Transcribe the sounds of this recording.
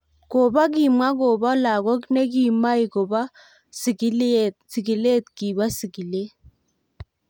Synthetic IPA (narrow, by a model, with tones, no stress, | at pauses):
ko˨ba˦k̬i˨mwa˦ko˨ba˦la˨kɔ˦knɛ˦k̬i˨ma˦i˨ko˨ba˦ | si˨ki˦lt̚si˨ɡi˨le˦t̪ki˨ba˦si˨ki˨le˦